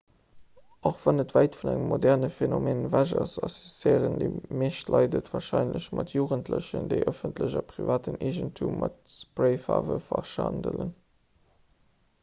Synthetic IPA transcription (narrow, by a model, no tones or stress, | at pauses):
ʔoχvɑnətvæɪtfunæŋəmːodɛʁnəfenomeːnvæʒɐsɑsosteːʁəndəmeːʃtlʔɑɪdətvaːʁʃɑɪnləɕmɑtʰjuːʁəntʰləɕəndəɪʔəfəntləʑɐpʁivaːtəneʒəntʰumːʔɑtspʁeɪfa̰ːvəfɐʃɑndələn